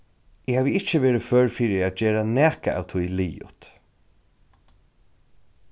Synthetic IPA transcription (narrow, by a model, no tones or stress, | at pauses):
ɪhaːʋəɪt͡ʃːəʋeːɾɪfœːɹfiːɾɪat̪̚d͡ʒɛːɹanæːkaa̰wt̪ʰʊjliːjʊ̰t̪